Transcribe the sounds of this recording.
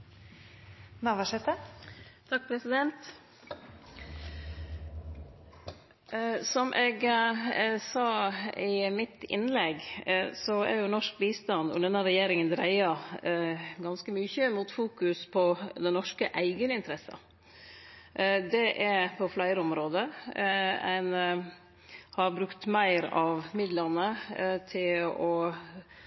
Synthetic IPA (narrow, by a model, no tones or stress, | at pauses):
nɑʋæʂɛt̪ət̪ʰɑk̚ːpʰɾɛsɪd̪ɛnt̪ | sɔmʔɛɡ | sɑːɪmɪt̪ɪ̰nlɛɡsɔæ̰ɾjʊnɔʂk̚biːst̪ɑnd̪ɔ̰d̪ɛnɑɾɛjeːɾɪŋənd̪ɾæɪɑ | ɡɑnskəmyçəmuːt̪fuːkʉspʰɔd̪ɛnɔʂkəʔæɪɡənɪnt̪əɾɛsə̰ | d̪ɛʔæpʰɔflæɪɾəɔmɾoːd̪ə | æɪn | hɑɾbɾʉkt̪mæɪɾɑʋmɪd̪lənət̪ʰɪlɔ